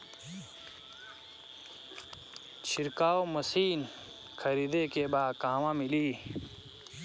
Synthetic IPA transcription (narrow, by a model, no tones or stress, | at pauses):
t͡ɕʰiɾkaːwmɐsiːn | kʰɐɾiːd̪ekebaːkaːwãmiliː